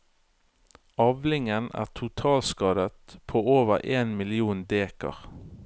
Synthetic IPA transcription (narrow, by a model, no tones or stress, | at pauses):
ɑʋlɪŋənæ̰ːʁt̪ʰʊt̪ʰɑːlskɑːd̪ət̪pʰoːoːʋəʁʔeːnmɪlɪuːnd̪eːkə̰ʁ